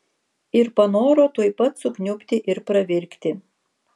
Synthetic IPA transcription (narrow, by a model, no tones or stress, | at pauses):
ɪɾpɐnoːɾoːt̪uɔjpɐt̪sʊknʲʊpʲt̪ʲɪʔɪɾpɾɐʋʲɪɾʲkt̪ʲɪ